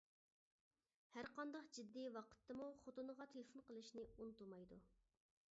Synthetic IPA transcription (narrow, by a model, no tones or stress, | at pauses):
hæɾqɑnd̪ɑqd͡ʒid̪ːiwɑqʰə̥t̪ʰːɨmuχot̪unəʁɑt̪ʰelɪfonqəlˠɨʃnɪunɨt̪ulˠmɑjd̪u